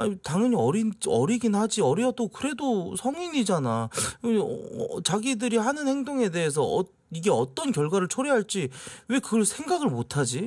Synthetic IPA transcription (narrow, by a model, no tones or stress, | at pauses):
a̰ɲitaŋʌɲiʌɾinʌɾiɡinhad͡ʑiʌɾiʌt͈okɯɾe̞dosʰʌŋiɲid͡ʑana | t͡ɕaɡidɯɾihanɯnhe̞ŋdoŋe̞de̞ɦes̬ʰʌʌ | iɡe̞ʌt͈ʌnkjʌɭɡwaɾɯɭt͡ɕʰoɾeɦaɭt͡ɕ͈iwe̞kɯɡʌɭsʰe̞ŋɡaɡɯɭmotʰad͡ʑi